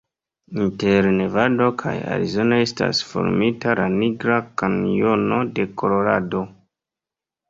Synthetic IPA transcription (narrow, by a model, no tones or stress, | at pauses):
inte̞ɾne̞vado̞kʰa̰ja̰ɾḭzo̞nae̞sta̰sfo̞̰ɾmitalaniɡɾakano̞no̞de̞ko̞lo̞ɾado̞